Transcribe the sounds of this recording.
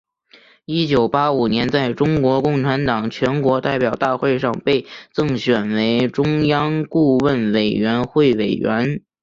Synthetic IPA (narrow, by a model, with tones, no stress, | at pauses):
i˥t͡ɕjo˨˩ʊpa˥u˨˩njɛ˧˥nt͡sa˥˩ɪʈ͡ʂʊ˥ŋkwɔ˧˥kʊ˥˩ŋʈ͡ʂʰa˧˥nt̪ɑ˨˩ŋt͡ɕʰɥɛ˧˥nkwɔ˧˥t̪a˥˩ɪpjɑ˨˩ʊt̪a˥˧xwe˥˧ɪʂɑ˥˧ŋpe˥˧ɪt͡sɤ˥˩ŋɕɥɛ˨˩nwe˧˥ɪʈ͡ʂʊ˥ŋjɑ˥ŋku˥˧wə˥˩nwe˨˩ɪɥɛ˧˥nxwe˥˩ɪwe˨˩ɪɥɛ̰˧˥n